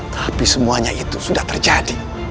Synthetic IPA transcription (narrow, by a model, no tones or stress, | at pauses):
t̪ʰapisəmuaɲait̪usudaht̪ərd͡ʒadi